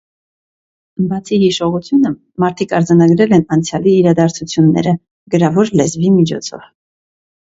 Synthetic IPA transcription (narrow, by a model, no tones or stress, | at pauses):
bɑt͡sʰihiʃɔʁut͡sʰjunə | mɑɾt̪ʰikʰɑɾd͡zɑnɑɡɾɛlɛnɑnt͡sʰjɑliːɾɑd̪ɑɾt͡sʰut͡sʰjunːɛ̰ɾə | ɡ̥əɾɑvɔɾlɛzvimit͡ʃʰɔ̰t͡sʰɔ̰v̥